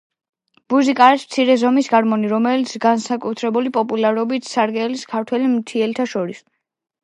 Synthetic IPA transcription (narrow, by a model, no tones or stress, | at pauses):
b̥uzikʼaːɾismt̪sʰiɾɛzɔmisɡaɾmɔniɾɔmɛlit̪sʰɡansakʼut̪ʰɾɛbulipʼɔpʼulaɾɔbit̪ʰsaɾɡɛliskʰaɾt̪ʰwɛlimt̪ʰiɛlt̪ʰaʃɔɾis